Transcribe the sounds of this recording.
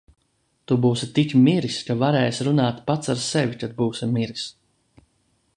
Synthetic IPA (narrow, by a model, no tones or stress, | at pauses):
t̪ubuːsit̪ikʲmiɾiskavaɾɛːjsʲɾunaːt̪pat̪saɾsɛvʲikad̪̚buːsimiɾis